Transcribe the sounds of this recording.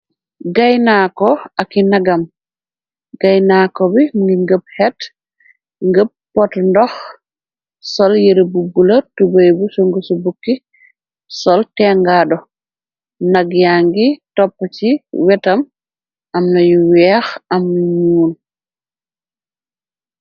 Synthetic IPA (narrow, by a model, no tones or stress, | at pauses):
ɡajnakɔakinaɡam | ɡ̥ajnaːkɔbiɡiŋɡəb̚hɛt | ŋɡəp̚pɔtndɔx | sɔljeɾbubulatubajbusɔŋɡusɔbukːi | sɔltɛŋɡaːɗɔ | naɡjaŋɡitɔpːat͡ʃiwɛtam | ʔamnajuwɛxamnuɲuːn